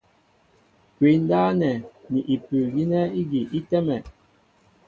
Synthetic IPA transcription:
kwi˨˦n̩˦daː˦nɛ˨ni˨ʔi˨pʉ˨ɣi˦nɛ˦i˦ɡi˨ʔi˦tɛ˦mɛ˨

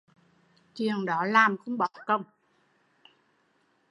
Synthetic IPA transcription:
t͡ɕi˨˩əŋɗɔ˨˦laː˨˩mxʊ̰˧˥ŋ͡mɓɔ˨˩˦kə˧˩wŋ͡m

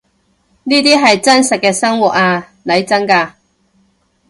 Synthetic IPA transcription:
niː˥t̪̬iː˥ɦɐ˨jt͡sɐ˥nsɐ˨t̚kɛː˧sɐ˥ŋwu˨˩t̚aː˧ | lɐ˨˥jt͡sɐ˥nkaː˧

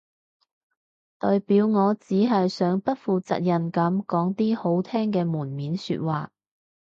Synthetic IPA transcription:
t̪ɔː˨jpiː˨˥wŋɔː˨˧t͡siː˨˥ɦɐ˨jsœː˨˥ŋpɐ˥t̚fuː˨t͡sɐ̰˨t̚jɐ˨˩nkɐ˨˥mkɔː˨˥ŋt̪iː˥ho˨˥wt̪ʰɛː˥ŋkɛː˧muː˨˩nmiː˨˥nsy̰ː˧t̚waː˨

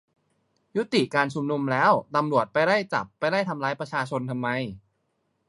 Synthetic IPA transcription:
ju˦˥t̪i˨˩kaː˧nt͡ɕʰu˧mnu˧mlɛː˦˥wt̪a˧mɾu˨˩ət̪̚pa˧jɾa˥˩jt͡ɕa˨˩pːa˧jɾa˥˩jt̪ʰa˧mlaː˦˥jpɾa˧t͡ɕʰaː˧t͡ɕʰo˧nt̪ʰa˧mːa˧j

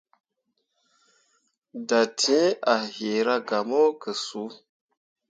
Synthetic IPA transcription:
da˨tʰĩ˦a˨he˨ɾa˦ɡa˨mo˦kə˨su˨˦

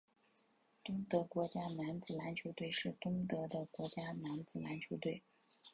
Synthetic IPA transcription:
t̪ʊ˥ŋt̪ɤ˧˥kwɔ˧˥t͡ɕja˥na˧˥nt͡sɹ̩˨˩la˧˥nt͡ɕʰjo˧˥ʊt̪we˥˧ɪʂɻ̩˥˩t̪ʊ˥ŋt̪ɤ˧˥d̪ə˧kwɔ˧˥t͡ɕja˥na˧˥nt͡sɹ̩˨˩la˧˥nt͡ɕʰjo˧˥ʊt̪we˥˩ɪ

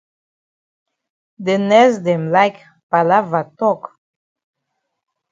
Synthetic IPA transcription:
d̪e˨nɛ˦zd̪e˨mla˦k | pa˨la˦va˨t̪ɔ˦k

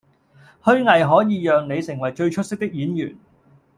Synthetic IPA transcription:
hɵ˥ɥŋɐ˨˩jɦɔː˨˥jiː˨˧jœː˨ŋne˨˧jsɪ˨˩ŋwɐ˨˩jt͡ʃɵ˧ɥt͡ʃʰɵ˥t̚sɪ˥k̚t̪ɪ˥k̚jiː˨˥njy̰ː˨˩n

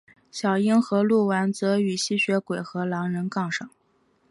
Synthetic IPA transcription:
ɕjɑ˨˩ʊi˥ŋxɤ˧˥lu˥˩wa˧˥nt͡sɤ˧˥y˨˩ɕi˥˩ɕɥɛ˧˥kwe˨˩ɪxɤ˧˥lɑ˧˥ŋɻə˧˥nkɑ˥˩ŋʂɑ˨˩˦

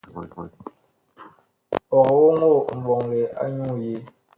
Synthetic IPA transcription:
pɔ˨kwo˦ŋo˦˨m̩˨bɔ˨ŋle˨a̰˦ɲu˦˨je˦

